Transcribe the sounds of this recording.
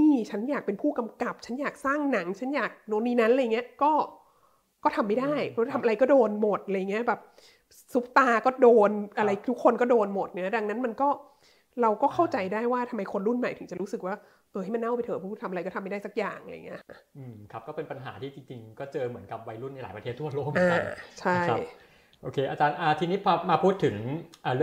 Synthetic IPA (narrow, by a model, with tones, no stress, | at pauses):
miː˥˩t͡ɕʰa˦˥njaː˨˩k̚pe˧npʰuː˥˩ka˧mka˨˩p̚t͡ɕʰa˦˥njaː˨˩k̚saː˥˩ŋna˩˦ŋt͡ɕʰa˦˥njaː˨˩k̚no˧niː˧na˦˥nʔla˧jŋːi˦˥ɐkɔː˥˩ | kɔː˥˩t̪ʰa˧mːa˥˩jdaː˥˩jpʰɔ˦˥˩tʰmʔa˧ɾa˧jkɔ˥˩doː˧nmo˨˩t̪̚ʔjŋːi˦˥ɐ˩bɛː˨˩p̚ | su˦˥p̚t̪aː˧kɔː˥˩doː˧nʔa˧ɾa˧jt̪ʰu˦˥kʰːo˧nkɔː˥˩doː˧nmo˨˩t̪̚na˧˩a˦˥da˧ŋna˦˥nma˧nkɔː˥˩ | ɾa˧wkɔː˥˩kʰa˥˩wt͡ɕa˧jdaː˥˩jwaː˥˩t̪ʰa˧mːa˧jkʰo˧nɾu˥˩nma˨˩jt̪ʰɯ˩˦t͡ɕa˨˩ɾu˦˥sɯ˨˩k̚waː˥˩ | ʔɤː˧hm˧nːa˥˩wpa˧jt̪ʰɤː˨˩pʰɔ˦˥uː˥˩t̪ʰa˧ma˧a˧jkɔː˥˩˧mː˥˩daː˥˩sa˦˥k̚ja̰ː˨˩ŋa̰˧ja̰˨˩ŋːi˦˥ɐ˩ʔɯː˧˩mkʰa˦˥p̚kɔː˥˩pe˧npa˧nɦa̰ː˩˦t̪ʰiː˥˩t͡ɕi˧ŋt͡ɕi˧ŋkɔː˥˩t͡ɕɤː˧mɯ˩˦ənka˨˩p̚wa˧jɾu˥˩na˧˦jlaː˩˦jpɾa˧tʰeː˥˩t̪ʰu˥˩ɐloː˥˩k̚aː˧˩t͡ɕʰa˥˧˥j | ʔoː˧˩kʰeː˧ʔa˧t͡ɕaː˧nʔaː˨˩t̪ʰiː˧niː˦˥pʰɔː˧maː˧pʰuː˥˩t̪ʰːɯ˨˩˦ŋʔaː˨˩ɾɯ˥˩